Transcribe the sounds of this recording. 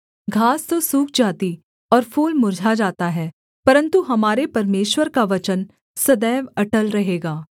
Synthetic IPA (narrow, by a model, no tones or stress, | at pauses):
ɡʱaːst̪osuːk̚ʰd͡ʒaːt̪i | ɔːɾfʰuːlmʊɾd͡ʒʱad͡ʒaːt̪aɦɛː | pɐɾə̃nt̪uɦɐmaːɾepɐɾmeːʃwəɾkaʋɐt͡ʃən | sɐd̪ɛːʋɐʈəlɾɐɦeːɡaː